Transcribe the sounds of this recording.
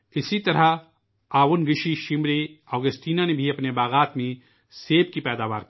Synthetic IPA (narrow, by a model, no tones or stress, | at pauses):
ɪsit̪ɐɾa | aːʋʊnɡɪʃiʃɪmɾeɔːɡəsʈiːnanebʱiɐpnebaːɣaːt̪mẽ | seːb̚kipɛːd̪aːʋaːɾk